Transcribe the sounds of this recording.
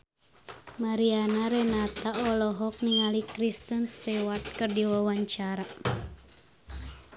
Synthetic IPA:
maɾianaɾɛnat̪aɔlɔɦɔk̚niŋalikɾist̪ənst̪ɛwart̪̚kɨrdiwawaɲt͡ʃaɾa

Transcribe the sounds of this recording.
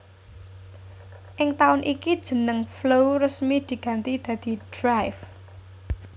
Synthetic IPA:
ʔɪŋt̪aʊnʔikid̥ʒ̥ə̤nəŋflorəsmid̪̥i̤ɡ̥ä̤nt̪id̪̥ä̤d̪̥i̤d̥ɾajf

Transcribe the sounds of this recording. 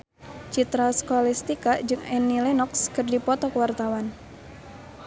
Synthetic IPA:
t͡ʃit̪ɾaskɔlɛst̪ikad͡ʒɨŋɛnːilɛnɔkskɨrdipɔt̪ɔkwart̪awan

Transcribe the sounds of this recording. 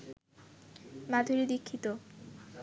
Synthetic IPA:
mad̪ʱuɾid̪ikʰːit̪o

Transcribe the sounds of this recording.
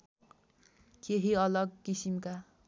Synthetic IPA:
keɦiʌlʌɡkisimka

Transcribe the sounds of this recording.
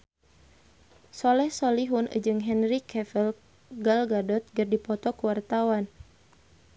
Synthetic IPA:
sɔlɛhsɔliɦunʔə̰d͡ʒɨŋɦɛnrikʰɛfəl | ɡalɡadɔt̪̚ɡərdipɔt̪ɔkuwart̪awan

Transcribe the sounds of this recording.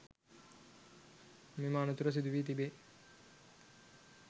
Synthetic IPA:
meːmaːnut̪uɾəs̬id̪uʋiːt̪ibe

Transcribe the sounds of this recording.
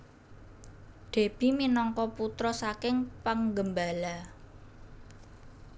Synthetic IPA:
ɖ̪̥e̤b̥i̤minɔŋkɔput̪ɾɔsakɪŋpəŋɡəmbala

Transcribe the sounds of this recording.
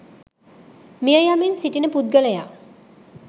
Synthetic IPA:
mijəjaminsiʈinəpud̪̚ɡələja̰

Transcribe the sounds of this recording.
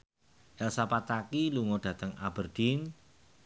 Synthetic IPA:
ʔɛlsapat̪akiluŋoɖ̥ä̤t̪əŋa̰bərd̥in

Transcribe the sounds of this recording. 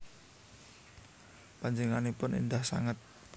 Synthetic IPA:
paɲd͡ʒəŋanepʊnḭndahsa̰ŋət̪̚

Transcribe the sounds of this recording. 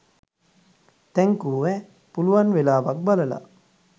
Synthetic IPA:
t̪ɛŋkuːʋɛ | puluʋanʋelaːʋak̚baləla̰

